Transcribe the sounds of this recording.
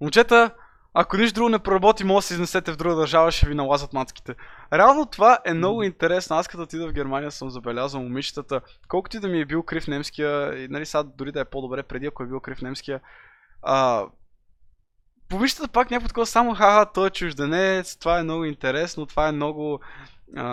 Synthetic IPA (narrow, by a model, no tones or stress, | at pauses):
mʊnt͡ʃɛt̪ə | ɐkonit͡ʃʃt̪d̪ɾuɡʊnɛpɾoɾɐbɔt̪imɔləsiznɛsɛt̪ɛvd̪ɾuɡəd̪ɐɾʒavəʃɛvinɐlˠazət̪mat̪skʲi̥t̪ɛɾɛalˠnot̪ovaʔɛmnɔɡʊint̪ɛɾɛsnʊaskət̪ot̪id̪əvɡʲɛɾmanijəsəmzɐbɛlʲazvəlˠmʊmiʃt̪ət̪əkɔlˠkʊt̪ʊid̪ɐmiɛbilˠkɾifnɛmskʲijəinɐlisad̪ʊɾid̪ɐɛpod̪obɾɛpɾɛd̪iɐkoɛbilˠkɾifnɛmsk̟ijə | ə | pomiʃt̪ət̪əpaknʲakot̪̚kɔd̪əsamoxaɦat̪ɔjɛt͡ʃʊʒd̪ɛnɛt̪st̪ovaɛmnɔɡʊint̪ɛɾɛsnot̪ovaɛmnɔɡʊ | ə